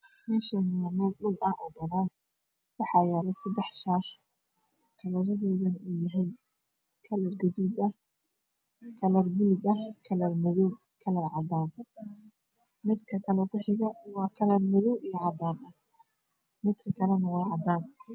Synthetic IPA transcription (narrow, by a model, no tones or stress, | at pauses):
mɛːʃɐnɪamɔːɗʊlɐhʔɔɡɐlaːn | wɑħɑjɛːlɛsɐd̪ɛħʃaːr | kʰɐlɐɾɐðɔːðɐnuːjɐɦɛj | kʰɐlɐrɡɐðiːd̪ɐh | kʰɐlɐrbilbɐhkʰɐlɐrmɐðɔw | kʰɐlɐrʕɑd̪aːn | mɪd̪kʰɐkʰɐlɛwɪħɪɣɐwɑːkʰɐlɐrmɐðɔwʔijɐʕɑd̪aːnɐ | mɪd̪kʰɐkʰɐlɛnɐwɑːʕɑd̪aːn